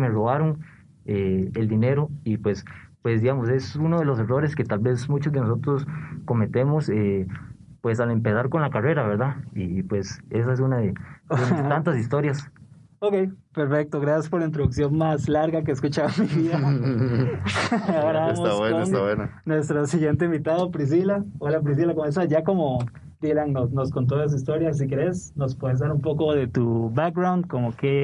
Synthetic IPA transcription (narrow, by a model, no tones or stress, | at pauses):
meroβaɾoŋ | eeld̪ine̞ɾoipwe̞spwe̞sd̪iɣamos̬e̞sunoðe̞lo̞s̬e̞ro̞ɾeske̞t̪albe̞smũt͡ʃozd̪enos̬o̞t̪ɾosko̞me̞t̪e̞mose | pwe̞sale̞mpesaɾko̞nlakare̞ɾaβeɾðaipwe̞ses̬aes̬unaðe | ant̪asist̪o̞ɾjas | okejpe̞ɾfe̞k̚t̪oɣɾasjaspoɾlaint̪ɾoðuksjo̞nmaslaɾɣakeːskut͡ʃamiβia | aoɾaamoawenost̪aβwenanwe̞st̪ɾosiɣjent̪̬eimbit̪aðopɾis̬ilaolap̬ɾis̬ilakomes̬aʝako̞mo | d̪ilaŋnosno̞skont̪̬oas̬ist̪o̞ɾjas̬ike̞ɾe̞sno̞spoðezd̪aɾumpo̞koðe̞t̪uβak̚ɡɾawnd̪̚komoke